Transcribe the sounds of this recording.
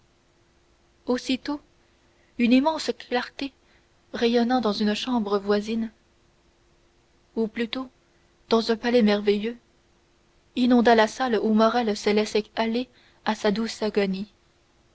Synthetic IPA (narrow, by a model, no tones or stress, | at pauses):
osit̪o | ynimɑ̃sklaʁt̪e | ʁɛjɔnɑ̃d̪ɑ̃zynəʃɑ̃bʁəvwazin | uplyt̪o | d̪̥ɑ̃zœ̃palɛmɛʁvejø | inɔ̃d̪alasalumɔʁɛlsəlɛsɛale | asad̪usaɡɔni